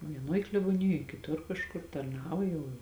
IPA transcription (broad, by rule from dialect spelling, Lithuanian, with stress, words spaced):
ʋʲiɛˈnoːj klʲɛboːˈnʲɪjoːj kʲɪˈtʊr kɐʃˈkʊr tɐrˈnɑːʋoː jɛʊ